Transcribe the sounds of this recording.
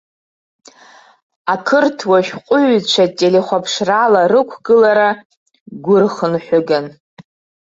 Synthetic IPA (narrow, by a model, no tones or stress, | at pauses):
akʰɨrtʰwaʃᶣqʷʼʊɥt͡ʃʷʰatʼeleχʷapʰʂralaɾɨkʷʰɡɨlaɾa | ɡʷʊrχənħʷᶣʊɡan